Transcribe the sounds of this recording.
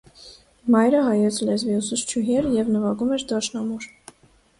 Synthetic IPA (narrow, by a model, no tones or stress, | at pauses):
mɑjɾəɦɑjɛt͡sʰlɛzviusust͡ʃʰuɦjɛɾjɛvnəvɑɡumɛɾd̪ɑʃnɑmuɾ